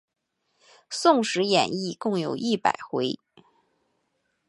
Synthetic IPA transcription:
sʊ˥˩ŋʂɻ̩˧˥jɛ̰˨˩ni˥˧kʊ˥˩ŋjo˨˩ʊʔi˥˩pa̰˨˩ɪxwe˧˥ɪ

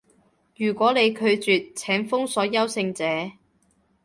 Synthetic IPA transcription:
jyː˨˩kʷɔː˨˥ne˨˧jkʰɵ˨˧ɥt͡syː˨t̚t͡sʰɛː˨˥ŋfʊ˥ŋsɔː˨˥jɐ˥wsɪ˧ŋt͡sɛː˨˥

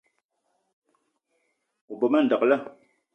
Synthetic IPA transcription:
u˨bo˨mə˦n̩˨də˨klə˦˨

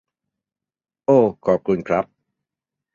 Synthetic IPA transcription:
ʔoː˧˩kʰɔː˨˩p̚kʰu˧nkʰɾa˦˥p̚

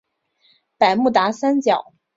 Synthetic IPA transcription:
pa˨˩ɪmu˥˩t̪a˧˥sa˥nt͡ɕjɑ˨˩˦ʊ

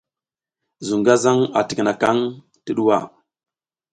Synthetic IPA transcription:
zu˨ŋɡa˦za˦ŋa̰˨ti˨kna˨ka˦ŋ | tə˦ɗu˦wa̰˦˨

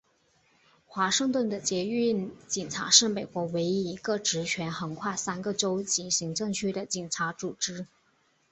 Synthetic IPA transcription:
xwa˧˥ʂɤ˥˧ŋt̪wə˥˩nd̪ə˩t͡ɕjɛ˧˥y˥˩nt͡ɕi˨˩ŋʈ͡ʂʰa̰˧˥ʂɻ̩˥˩me˨˩ɪkwɔ˧˥we˧˥ɪi˧˥i˧˥ɡə˧ʈ͡ʂɻ̩˧˥t͡ɕʰɥɛ˧˥nxɤ˧˥ŋkʰwa˥˩sa˥nɡə˨ʈ͡ʂo˥ʊt͡ɕi˧˥ɕi˧˥ŋʈ͡ʂɤ˥˧ŋt͡ɕʰy˥˩ɾə˨˩t͡ɕi˨˩ŋʈ͡ʂʰa˧˥t͡su˨˩ʈ͡ʂɻ̩˧˥

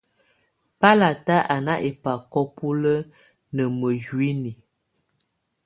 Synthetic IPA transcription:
pa˦la˨ta˦ʔa˨na˦ʔe˨pa˨kɔ˦pu˦lə˦ | nə˨mə˨d͡ʒwi˦ni˨

